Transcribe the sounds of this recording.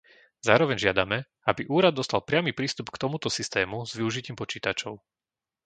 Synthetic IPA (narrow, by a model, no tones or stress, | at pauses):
zaːɾɔʋɛɲʒɪad̪amɛ | abiʔuːɾad̪dːɔst̪alˠpɾɪamiːpɾiːst̪upkt̪ɔmut̪ɔsist̪ɛːmuzʋiuʒiciːmpɔt͡ʃiːt̪at͡ʃɔʊ